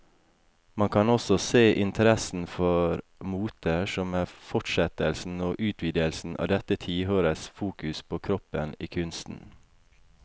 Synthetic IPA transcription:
mɑŋkʰɑnɔsɔseːʔɪnt̪ʰəɾɛsn̩fɔɾmuːt̪əʃɔmæːfɔʈʃɛt̪əlsn̩oːʔʉːt̪ʰʋiːd̪ɪəlsn̩ʔɑ̰ʋd̪ɛt̪ət̪ʰiːhøːɾəsfuːkʉspʰoːkʰɾɔpəniːkʰʉnst̪n̩

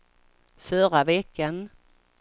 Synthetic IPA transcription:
fœɾavɛkːən

